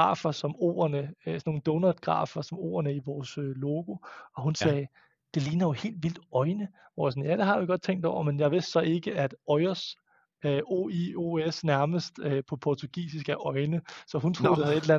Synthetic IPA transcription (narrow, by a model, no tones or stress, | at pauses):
ɡ̥ɑ̰̈ːfɐsɒ̽mo̝̰ːɐnəsno̝ːn̩d̥ɔːnæd̥ɡ̥ʁɑ̰̈ːfɐsɒ̽mo̝̰ːɐnəiʋɒːsølo̝ːɡ̥o̝ɒ̽hunsɛː | d̥e̝liːnɐjo̝he̝̰ːld̥ʋil̰d̥ɒ̽ɪnə | ʋɒsɔn̩jæd̥e̝ɦɑ̈ʋiɡ̥ɒ̽d̥̚t͡sʰeŋ̰d̥ɒʊ̰ɐmenjɑ̈ɪʋe̝sd̥sɒ̽e̝ɡ̥əæd̥ɒ̽ɪɐs | øʔoioesnæɐməsd̥øpʰɒ̽pʰɒt͡sʰuɡ̥ḭːsisɡ̥æɐʔɒ̽ɪnəsɒ̽ɦunt͡sʰʁo̰ːd̥ehæðˠe̝delæn